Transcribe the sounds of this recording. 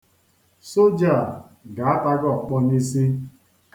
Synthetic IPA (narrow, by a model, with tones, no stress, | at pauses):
so˦d͡ʒa˨ | ɡa˨a˦ta˦ɡɔ˦˨k͡pɔ˦ɲi˦si˦